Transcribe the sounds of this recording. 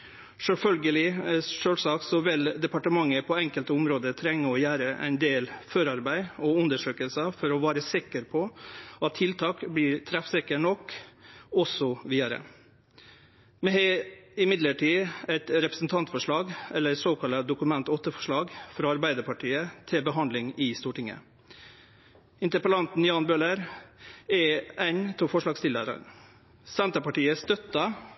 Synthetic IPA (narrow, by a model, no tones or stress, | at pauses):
ʂɛlfœlɡəlɪʂøːlsɑːksɔʋɪld̪ɛpɑʈəmɑŋːəpʰɔɛŋkəlt̪əʊmɾoːd̪ət̪ʰɾɛŋːəɔjæːɾəʔæ̰ɪnd̪eːlføɾɑɾbæɪɔʉnd̪əʂøːkəlsəfɔɾɔʋɑːɾəsɪkəɾpʰɔɑt̪ʰːɪlt̪ʰɑːkbliːɾt̪ʰɾæfsɪkəɳɔkː | ɔsɔʋiːɑɾə̰ | mɛhɛɪmɪd̪ləʈiːɛɪt̪ɾɛpɾə̥sn̩t̪ʰɑnt̪fɔʂɭɑːɡɛlːəɾsoːkʰɑlɑd̪ʊkʉmɛnt̪ɔt̪ːəfɔʂɭɑːɡfɾɑɑɾbæɪd̪əɾpʰɑʈʰiːət̪ʰɪlbəɦɑnd̪lɪŋɪst̪uːʈɪŋə̰ | ɪnt̪əɾpəlɑnt̪n̩jɑːnbøːləɾ | ɛænt̪ʰɔfɔʂɭɑːɡst̪ɪlə̰ɾə̰ɾ | sɛnt̪ɾɑpɑʈiːəst̪œt̪ːɑ